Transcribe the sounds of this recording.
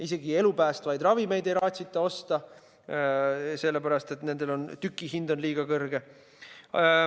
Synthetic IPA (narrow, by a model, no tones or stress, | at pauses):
ise̞ɡie̞lupæːst̪vɑjd̪rɑvime̞jd̪e̞jɾɑːt̪ʲsit̪ːˑeo̞st̪ɑ | se̞lːepæɾɑst̪e̞t̪ne̞nd̪̥e̞lo̞nt̪ykːˑiɦind̪̥o̞nliːɡ̥ɑkɤrɡ̥e̞